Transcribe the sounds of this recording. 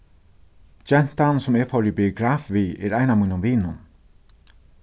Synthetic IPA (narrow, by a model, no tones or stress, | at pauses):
d͡ʒɛn̥t̪ansʊmɛɹfɔɹibiʊɡɾaːfviɛ̰ɾajnamuːnʊmviːnʊn